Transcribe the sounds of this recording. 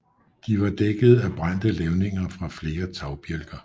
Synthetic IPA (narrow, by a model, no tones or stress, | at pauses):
d̥iʋɑ̈d̥eɡ̥əð̞̩ˠæb̥ʁan̰d̥əleʊne̝ŋɐfʁɑ̈fle̝ːɐt͡sʰɑ̈ʊb̥jelɡ̥ɐ